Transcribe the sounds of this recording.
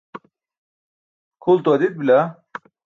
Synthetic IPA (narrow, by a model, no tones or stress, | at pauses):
kʰult̪uɐd̪it̪̚bilʲa